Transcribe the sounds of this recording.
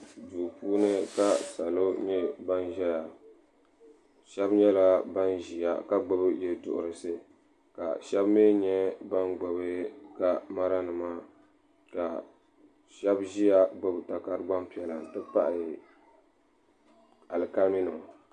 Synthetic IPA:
duː˨puː˦nɨ˦ka˦sa˨lo˦ɲɛ˦ba˦nʒɛ˦ja˨ | ʃɛ˦bɲɛ˦la˦ba˦nʒi˨ja˨ka˦ɡ͡bɨ˦bɨ˦jɛ˦dʊ̰˨ʔʊ̰˨ɾɨ˨sɨ˦ | ka̰˨ʃɛ˦bmeː˦ɲɛ˦ba˦nɡ͡ba˨bɨ˦ka˦ma˦ɾa˦nɨ˨ma˦ | ka˨ | ʃɛ˦bʒi˦ja˦ɡ͡bɨ˦bɨ˨ta˨ka˦ɾɨ˦ɡ͡ba˦mpi˨˦ɛ˨la˨dɨ˦pa˦ʔɪ˨ | a˨lɨ˨ka˦mi˦nɨ˨

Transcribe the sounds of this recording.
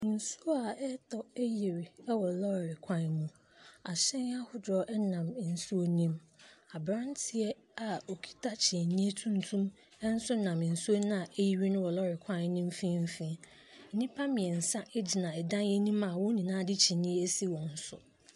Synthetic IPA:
n̩˨su˦o˦a˨ɛ˦tɔ˦ɛ˦ji˨ɾɪ˨ɛ˦wɔ˨lɔ˦˨ɾɪ˨kʰã˦nnũ˦ | a˨ɕɛ̃˦n˦a˦hʊ˦dɔ˨ʔɛ˦nã˨m˨n̩˨su˦o˦nĩ˦m | a˨bɾã˦ntʰɪ˨ɛ˦ | a˨o˨kʰi̥˦tʰa˦t͡ɕʰi˨nĩ˦e˦tʰũ˦n˦tʰũ˦m | ɛ˦n̩˦sʊ˦nã˨m˨n̩˨su˦o˦nĩ˦a˨ʔe˦ji˦ɾi˦nʊ̃˦wɔ˨lɔ˦˨ɾɪ˨kʷʰã˦n˦nːĩ˦m̩˦fĩ˦m̩˦fĩ˦ | n̩˦˨nĩ˦pʰa˦mĩ˨ɛ˨n̩˨sã˦ʔɛ˦d͡ʑi˨nã˨ɛ˨dã˦njɛ˦nĩ˦mã˨wɔ̃˦nĩ˨nãː˦˨dɪ˦t͡ɕʰi˨nĩ˦ɛ˦e˦si˦wɔ̃˨n̩˦sʊ̰˨

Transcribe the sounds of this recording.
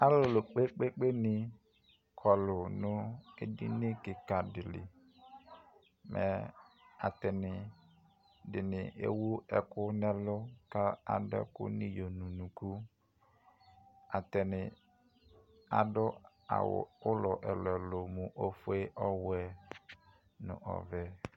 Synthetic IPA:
a˦lʊ˨lʊ˨k͡pe˦k͡pe˦k͡pe˦nɪ˨ | kʰɔ˨lʊ˨nʊ̃˦e˦˨dḭ˦ne˦kɪ˨ka˨dɪ˨lɪ̰˨ | mʔɛ̰˨a˨tɛ˨nɪ˨ | dɪ˨nɪ̃˨ʔḛ˦wu˦ɛ˨kʊ˦nɛ˦lʊ˦ka˦a̰˨dɛ̰˦kʊ̰˦nɪ̃˦jo˨nũ˨nũ˨ku˦ | a˨tɛ˨nɪ˨ | a˨dʊ˦ | a̰˨wʊ̰˨ʊ˦lɔ˨ʔɛ˨lɔ˨lʊ˨mʊ̃˨ʔo˨fʊ˦e˦ʔɔ˦wɛ˨ | nʊ̰̃˨ʔɔ̰˨vɛ˦

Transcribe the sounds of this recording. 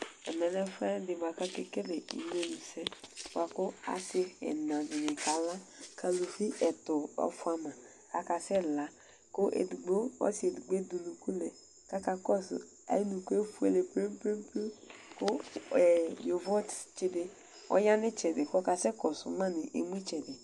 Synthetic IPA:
ɛ˨mɛ˨nɛ˦fɛ˦dɪ˨ba˨ka˦ke˦ke˦lɪ˨ḭ˨n˦e˦nu˨sɛ˦ba˨kʊ˦a̰˨sɪ˦ɛ̰˨nã˨dɪ˨nɪ̃˨ka˨la˦kʰa˨lo˨fi˦ʔɛ˨tʊ˨ɔ̰˨fʊ˦a˦mã˨ | a̰˨ka˨sɛ˦la˦ | kʊ˦ʔḛ˨du˨ɡ͡bo˦ɔ̰˦sɪ˨e˨du˨ɡ͡be˦du˨lu˨ku˦lɛ˨ | ka˦ka˨kɔ˦sʊ̰˨ | a̰˦nu˨ku˦e˦fu˦ḛ˦le˨pɾe˦pɾe˦m˦pu˦kʊ˦ɛ˨jo˨vɔ˦tt͡ʃɪ˨˦de˨ | ɔ̰˦ja˦nɪ˦t͡ʃɛ˨dɪ˨kʊ˦ɔ˦ka˨sɛ˦kɔ˨sʊ̰˨mã˦nɪ˨ʔe˨m˦i˦t͡ʃɛ˨dɪ˨

